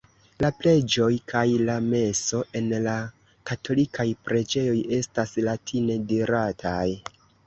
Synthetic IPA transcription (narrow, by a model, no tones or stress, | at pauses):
laple̞d͡ʒo̞jkʰajlame̞so̞ʔe̞nla | katʰo̞likʰajpɾe̞d͡ʒe̞jo̞je̞staslatʰine̞diɾatʰaj